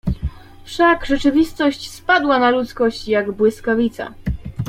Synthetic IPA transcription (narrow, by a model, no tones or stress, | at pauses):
fʂaɡʐɛt͡ʂɘvʲist̪ɔɕt͡ɕspad̪wanalut̪skɔɕt͡ɕjaɡbwɘskavʲit̪sa̰